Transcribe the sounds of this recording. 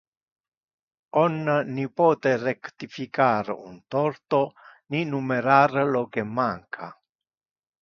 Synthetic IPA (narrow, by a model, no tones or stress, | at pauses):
ɔnːnipɔːt̪erekt̪ifikaɾṵnt̪ɔrt̪oninumeɾarlokemːaŋkʰa